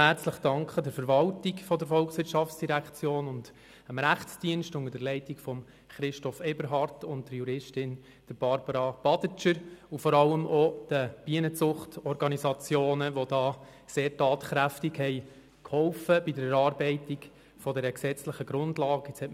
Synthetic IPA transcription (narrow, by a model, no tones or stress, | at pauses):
hæɾt͡sləχd̥ɑŋkχədəɾfəɾʋɑltikfɔdəɾfɔlksʋɪɾʃɑft͡sd̥iɾækʰt͡sjoːnʊnd | əmɾæχt͡sd̥iənʃtʊŋədəɾlɛɪtikfɔm | χɾɪʃtɔfɛbəɾɦɑɾtʊnt̚dəɾjuɾɪʃtɪn | d̥əɾb̥ɑɾb̥əɾɑb̥ɑd̥ət͡ʃəɾufɔɾɑlːəmʔɔd̥əb̥iənət͡sʊχtɔɾɡɑnisɑt͡sjoːnəʋɔd̥ɑː | seːɾtɑːtχɾæftiɡhɛɪ | khɔʊfəb̥idəɾɾɑːɾbɛɪtiɡ | fɔdɛɾəksɛt͡sləχəɡɾʊndlɑːɡɪt͡shɛtm